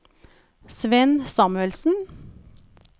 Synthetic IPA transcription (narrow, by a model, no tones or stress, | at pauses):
sʋɛnsɑːmʉɛlsn̩